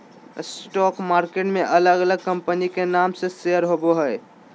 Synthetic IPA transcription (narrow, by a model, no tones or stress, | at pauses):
sʈɔkmaɾkeʈmeʔələɡələɡ̚kəmpənikenamsẽseəɾɦoboɦəj